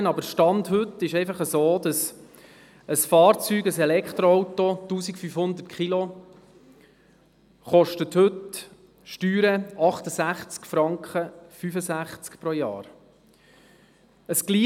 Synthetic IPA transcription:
ənɑbəʃtɑndɦɵtːɪʃɛɪfɑχəsoːd̪ɑs | əsfɑːɾt͡syːɡəsɛlɛkʰt̪ɾoɔwtotuːsikfyfhʊnd̪ətkʰχilo | χɔʃtəthɵt | ʃtyːɾəɑχt̪əsæχt͡skfɾɑŋkχəfyfəsæχt͡skpɾojɑ̰ːɾ | əsɡ̥liː

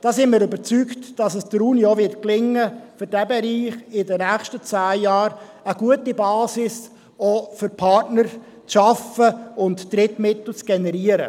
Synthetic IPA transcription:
d̥ɑːsɪnmɪːɾʏbəɾt͡syktd̥ɑsəsd̥əɾuːniovɪrt̚klɪŋːəfʏɾdæbɛɾiːχɪdənæːχʃtət͡sæːjɑːɾ | əɡ̥uətibɑːsɪs | ofʏɾpʰɑrtnər | t͡sʃɑfəʊntːɾɪtmɪtl̩t͡sɡ̥ɛnɛɾiəɾə̰

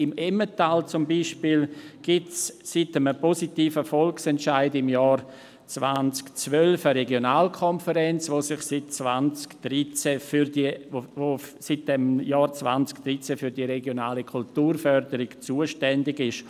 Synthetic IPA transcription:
ɪmɛmətaːlt͡sʊmbiːʃpiːlɡ̥ɪtssitəməpɔsitiːfəfɔlksɛntʃaɪdɪmjɑːɾ | t͡svant͡skt͡svœlfəɾɛɡjonaːlkʰɔnfəɾɛnt͡sʋosɪχsɪt̚t͡svant͡skd̥ɾit͡sɛfydivosit̚d̥ɛmjɑːɾt͡sva̰nt͡skd̥ɾit͡sɛfyɾdiɾɛɡjonaːlikʰultuːɾfœɾdəɾɪɡt͡suːəʃtɛndɪɡɪʃ

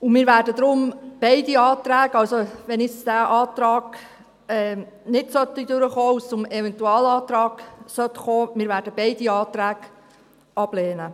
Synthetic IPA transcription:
ʊmɪːɾvæːɾdəd̪ɾʊmb̥ɛɪdiɑːt̪ɾæːɡɑwsoʋɛnɪsd̥æːʔɑːt̪ɾɑːɡ̥ | ɛː | nɪtsœtːid̪øɾəχoːusʊmɛvɛntuɑːlɑːt̪ɾɑːɡ̥sœt̪χoːmɪːɾvæːɾdəbɛɪdiɑːt̪ɾæːɡ | ɑb̥leːnə

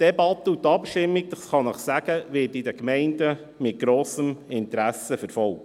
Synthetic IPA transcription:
d̥ɛbɑt̪ːəut̪ɑpʃtɪmːiɡ̚d̥̪ɑsχɑnəχsæɡ̥əʋɪːtɪd̪əkmɛɪndə | mɪt̚ɡ̥ɾoːsəmɪnt̪əɾæsəfəɾfɔlk̚t

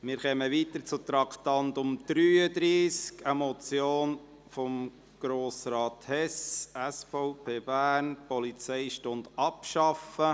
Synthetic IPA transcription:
mɪːɾχɛməʋiːt̪əɾt͡sʊt̪ɾɑkʰt̪ɑnt̪ʊmd̪̥ɾyːəd̪ɾiːskəmɔt͡sjoːn | fɔm | ɡ̥ɾoːsɾɑːt̪hɛsæsfɔʊpʰeːb̥æːnpɔlit͡sɛɪʃtʊnd̥̪ɑpʃɑfə

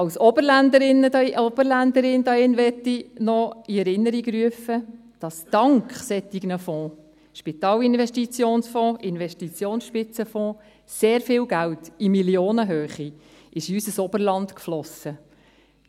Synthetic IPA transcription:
ɑwsɔb̥əɾlændəɾɪnːədʔɔb̥əɾlænd̪əɾɪndɑɪnʋɛtːinɔiɛɾɪnːəɾiɡɾyəfə | d̥ɑsd̥ɑŋkχsɛt̪ːiɡ̥nəfɔ̃ː | ʃpit̪ɑːlɪnʋɛʃtit͡sjoːnsfɔ̃ːʔɪnʋɛʃtit͡sjoːnsʃpɪt͡səfɔ̃ː | seːɾfɪːlɡæltimiljoːnəɦøːχi | ʔɪʃiysəsɔbəɾlɑnt̪kflɔsə

